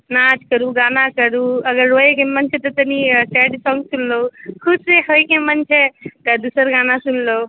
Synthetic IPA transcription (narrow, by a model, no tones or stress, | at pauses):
nad͡ʒkəɾuɡanakəɾuəɡəɾːoekemənt͡ʃʰɛt̪ɔt̪ənisɛɖsɔŋɡsunlokʰubseɦojkemənt͡ʃʰɛt̪əd̪usəɾɡanasunlou